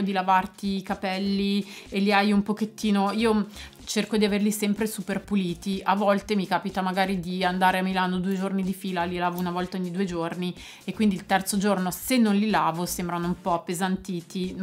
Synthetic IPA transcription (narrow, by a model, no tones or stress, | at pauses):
od̪ilavart̪iːkapɛlːielːiajumpok̟et̪ːiːnoiːo | t͡ʃerkod̪iaverlisɛmpɾesuperpuliːt̪iʔavːɔlt̪emikaːpit̪amaɡaːɾid̪iand̪aːɾeamːilaːnod̪uːed͡ʒornid̪ifiːlalilaːvounavɔlt̪aoɲːid̪uːed͡ʒorni | ekːwind̪ilt̪ɛrt̪sod͡ʒornosenːonlilaːvosembɾanoumpɔpːezant̪iːt̪i